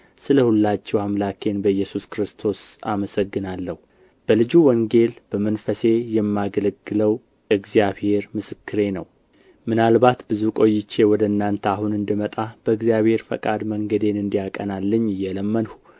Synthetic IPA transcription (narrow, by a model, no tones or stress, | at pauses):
sɨləhulːat͡ʃːɛwamlakʰe̞nbəɨjːɛsuskɾɨst̪ʰo̞saməsəɡːɨnalːəhu | b̥əlɨd͡ʒuwɔŋɡe̞lb̥əmənfəse̞jɛmːaɡələɡːɨləw | ʔɨɡzijaβhe̞ɾmɨsɨkʰːɨɾe̞nəw | mɨnalbat̪bɨzukʼo̞jːɪt͡ʃːe̞wɔd̪əɨnːant̪ʰəahunɨnd̪ɨmət̪ʼab̥əɨɡzjaβhe̞ɾfə̰kʼad̪məŋɡəd̪e̞nɨnd̪ijakʼənalːɨɲːɨjːɛləmːənhu̥